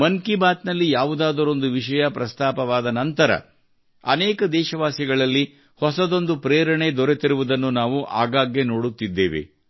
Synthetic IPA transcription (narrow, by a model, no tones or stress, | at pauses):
mɐŋkibaːt̪nɐlːijaːʋud̪aːd̪ɐɾo̞nd̪uʋiʃɐjɐpɾɐst̪aːpɐʋaːd̪ɐnɐnt̪ɐɾɐ̰ | ɐ̰neːkɐd̪ɛːʃɐʋaːsiɡɐɭɐlːi | hɔsɐd̪o̞nd̪upɾeːɾɐɳe̞d̪ɔɾet̪iɾuʋud̪ɐnːunaːʋuʔa̰ːɡaːɡjeno̞ːɽut̪ːid̪ːeːʋḛ